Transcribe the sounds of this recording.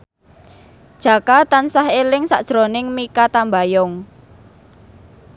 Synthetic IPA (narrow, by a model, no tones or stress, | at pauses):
d̥ʒ̥ä̤kat̪ansaɦelɪŋsa̰ʔd̥ʒ̥ɾonɪŋmikat̪ambajɔŋ